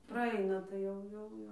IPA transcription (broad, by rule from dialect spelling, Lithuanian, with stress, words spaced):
prɐˈɐɪnɐ tɐɪ ˈjɛʊ ˈjɛʊ ˈjɛʊ